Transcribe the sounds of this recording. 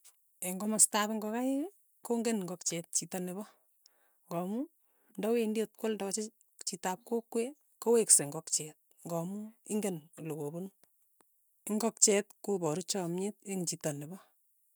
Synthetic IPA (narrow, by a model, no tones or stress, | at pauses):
eŋɡɔmastabɪŋɡɔkaje | koŋɡenŋɡɔkt͡ʃɛt̚t͡ʃitɔnɪβɔ | ŋɡɔmu | ndɔwendiotkɔlndakat͡ʃe | t͡ʃitap̚kokːwe | kowekseŋɡɔkt͡ʃɛt̚ | ŋɡɔmuɪŋɡenlokobon | ɪŋɡɔk̚t͡ʃɛtkobɔɾut͡ʃɔmɲɪt̚eŋt͡ʃitanɪbɔ